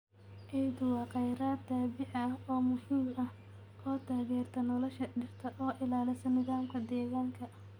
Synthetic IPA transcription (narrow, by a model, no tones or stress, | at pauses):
ʔɛjd̪ʊwɑːqɑjɾaːt̪aːbɪʕɐhɔːmʊhiːmɐh | ʔɔːt̪ʰaːɣɛːrt̪ʰɐnɔlɔʃɐɖɪrt̪ʰɐʔɔːʔɪlaːlɪsɐnɪðaːmkʰɐd̪ɛːɣaːŋkʰɐ